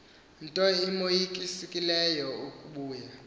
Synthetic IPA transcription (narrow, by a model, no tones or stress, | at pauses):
ntʼɔimojikʼisikʼilɛjɔukʼuɓuːja